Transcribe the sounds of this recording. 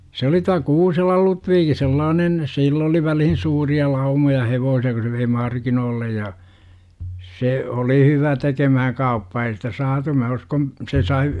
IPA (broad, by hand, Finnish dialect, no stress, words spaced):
se oli tuɑ kuːselɑl lutʋiːki selːɑːnen silː oli ʋælihin suːriɑ lɑumojɑ heʋoːsiɑ ku se ʋei mɑrkinoːlːej jɑ se oli hyʋæ tekemæhæŋ kɑupːɑː ei sitæ sɑːtu mæ uskon se sɑi